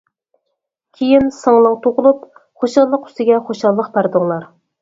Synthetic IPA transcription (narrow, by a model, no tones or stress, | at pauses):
kʲʰejinsɨŋlˠɨŋt̪ʰoʁʊlˠup | χoʃɑlˠːəqy̥st̪ɪɡʲɛχoʃɑlˠːəqbæɾd̪ɨŋlˠɑɾ